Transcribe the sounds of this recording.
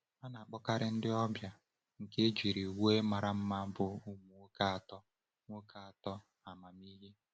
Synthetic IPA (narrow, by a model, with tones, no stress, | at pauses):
a˦na˨a˨k͡pɔ˦ka˦ɾɪ˦n̩˦dɪ˦ɔ˦bja˨ | ŋ̩˨ke˦d͡ʒi˨ɾi˨we˦ma˨ɾa˨m̩˦ma˦bʊ˨u˦mu˨˦ka˦a˨tɔ˦ | ŋʷo˦kʰa˦a˨tɔ˦ | a˨ma˨mi˦ɦe˦